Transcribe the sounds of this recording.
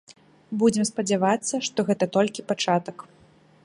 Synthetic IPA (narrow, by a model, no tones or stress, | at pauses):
bud͡zʲɛmspɐd͡zʲavat̪sːɐʂt̪ɔɣɛt̪ɐt̪ɔlʲkʲipat͡ʂat̪ɐk